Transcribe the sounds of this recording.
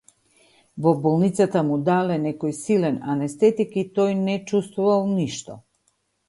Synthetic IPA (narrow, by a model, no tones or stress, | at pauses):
vɔbɔlˠnit̪sat̪amud̪alɛnɛkɔjsilɛnanɛst̪ɛt̪ikit̪ɔjnɛt͡ʃust̪vuvalˠniʃt̪ɔ̰